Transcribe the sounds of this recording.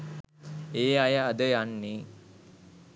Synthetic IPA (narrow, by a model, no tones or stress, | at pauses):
eːajəːd̪əjanːi